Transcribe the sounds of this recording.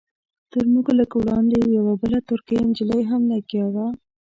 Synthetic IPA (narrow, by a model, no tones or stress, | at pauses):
t̪əɾmuɡləkwɽɑnd̪ejawabəlat̪ʊɾkajnd͡ʒiləjɦamlaɡjawa